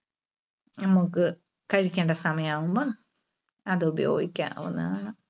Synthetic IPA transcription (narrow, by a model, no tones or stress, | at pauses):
nɐmːukːɨ | kɐɻikʲːeːɳɖɐsɐmɐjɐmaːʋumboː | ɐðɨubɐjo̞ːɡikʲːa̰ːɐ̰ʋɐ̰nːaːɳɨ